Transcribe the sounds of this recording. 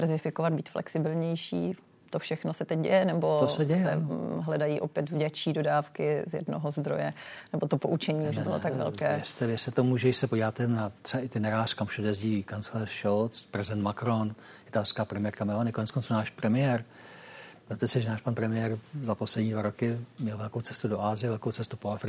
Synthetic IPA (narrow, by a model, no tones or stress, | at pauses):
vɛrzɪfɪkovad̪̚biːt̪flʔɛ̰ksɪbɪlɲɛjʃḭː | t̪ofʃɛxnosɛt̪ɛc̚ɟɛ̰jɛnɛbo̞osɛɟɛsjɛɛ̰ɦlɛdajiːʔopjɛt̪vɟɛt͡ʃiːdo̞daːfkɪzjɛ̰dnoɦozd̪ɾo̰jɛnɛbot̪o̞poʔut͡ʃɛɲiːuʒbɪlot̪akɡvɛ̰lkɛːɛst̪ɛvɪɛsɛt̪omuʒɛjɪʃsɛpoɟivaːt̪ɛnat̪r̥ɛbaʔɪt̪ɪnɛɾaːr̥kamuʃodjɛzɟiːikant͡slɛrʃolt͡spɾɛzɪdɛnt̪makɾonɪt̪alskaːpɾɛmɪjɛɾkamɛlonɪkonɛt͡skont͡sunaːʃpɾɛmɪjɛɾ | ɛmt̪ɛsɪʒɛnaːʃpanpɾɛmɪjɛɾzaposlɛdɲiːdvaɾokɪmɲɛlvɛlkowt͡sɛ̥st̪udoʔaːzɪjɛvɛlkowt͡sɛst̪upoafɾɪ